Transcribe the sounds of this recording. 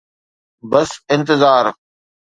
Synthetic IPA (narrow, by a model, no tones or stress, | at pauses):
bəsɪ̃nt̪ɪzaːɾ